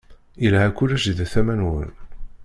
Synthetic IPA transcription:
ilɦækʷːulæʃðæθæmænwə̰n

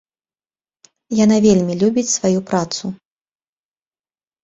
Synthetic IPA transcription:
jan̪avʲelʲmʲilʲubʲit͡sʲsvajupɾat̪su

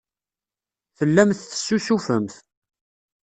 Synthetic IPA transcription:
θəlːæmθθə̥sːusufəmθ

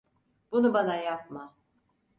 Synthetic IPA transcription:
b̥unubanajap̚ma

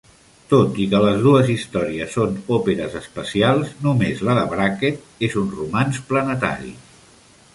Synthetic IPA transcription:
t̪ot̪ikələzð̞uəzist̪ɔɾiəsːonopeɾəzəspəsialˠznumezləðəβɾaket̪̚ | ezunrumansplənət̪a̰ɾḭ

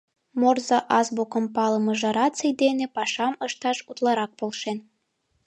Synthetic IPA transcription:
morzɑʔɑzbukɤmpɑlɤmɤʒɑɾɑt͡səjd̪enepɑʃɑmɤʃt̪ɑʃut̪lˠɑɾɑk̚polʃen

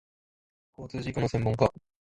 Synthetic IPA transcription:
koːt͡sɨːʑikonosẽ̞mːoŋka

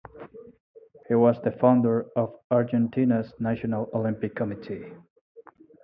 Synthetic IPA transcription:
hiwʌzðɨfãʊ̃ndə˞ʌvaɹd͡ʒɛ̃ntʰinəznæʃɨnəlˠolɪ̃mpɪkʰːəmɪtʰi

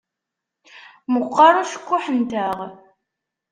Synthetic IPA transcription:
məqːɑɾˤʊʃə̥kʷːʊħənt̪æʁ

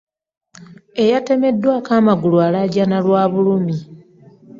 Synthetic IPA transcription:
e̞jate̞me̞dːwaːkaːmaɡulualaɟanalwaːβulumi

